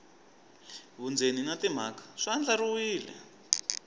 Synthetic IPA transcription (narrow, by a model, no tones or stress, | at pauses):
βund͡zeninatim̤akḁʂand͡ɮaɾuwiːlɛ̰